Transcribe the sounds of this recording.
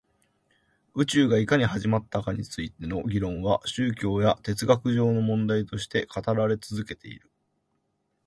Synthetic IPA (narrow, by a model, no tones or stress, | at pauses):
ɯ̟t͡ɕɨːɡaikaɲ̟ihaʑimat̪ːakaɲ̟it͡sɨit̪e̞no̞ɡʲiɾõ̞ɰ̃βaɕɨːkʲo̞ːjat̪e̞t͡sɨɡakɯ̟ʑo̞ːno̞mõ̞nd̪ait̪o̞ɕi̥t̪e̞kʰat̪aɾaɾe̞t͡sɨzɨke̞t̪ʰe̞̰ḭɾɯ̟